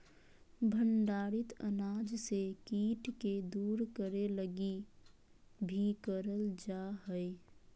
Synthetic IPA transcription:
bʱəɳɖaːɾɪt̪ə̰naːd͡ʒsekiːʈked̪uːɾkəɾeləɡi | bʱikəɾəld͡ʒaɦəe

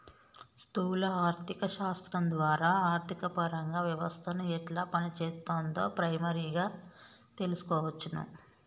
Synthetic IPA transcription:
st̪uːlɐaːɾt̪ʰikɐʃaːst̪ɾɐnd̪ʋaːɾaːaːɾt̪ʰikɐpɐɾɐŋɡaːʋjɐʋɐst̪ʰɐnuɛʈlaːpɐnit͡ʃɛːt̪ant̪o̞̰ːpɾɐjmɐɾiɡaː | t̪e̞lusu̥kɔːʋɐt͡ʃːunṵ

